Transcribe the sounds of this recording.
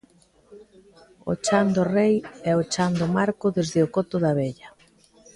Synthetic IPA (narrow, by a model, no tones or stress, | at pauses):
o̰t͡ʃand̪ʊrejɛot͡ʃand̪ʊmaɾkʊðezðɪʊkɔt̪ʊðaβeʎɐ